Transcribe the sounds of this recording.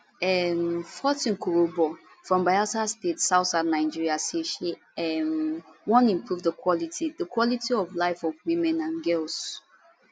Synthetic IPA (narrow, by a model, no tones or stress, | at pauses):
ɛmfɔtĩnkʰoɹobɔ | fɹɔ̃mbaɪatastetsaʊtsadnaɪd͡ʒiɹiasiʃe | ɛmwɔ̃nĩmpʰɹuvðəkʰwɔlitʰidəkwɔlitʰiɔvlaɪfɔvwĩmɛ̃nãnɡɛls